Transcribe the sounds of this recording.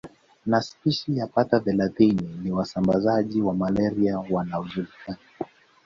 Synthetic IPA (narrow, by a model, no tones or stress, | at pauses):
naspiʃijapataθɛlaθininiwasambazaʄiwamalɛɾiawanauzulikani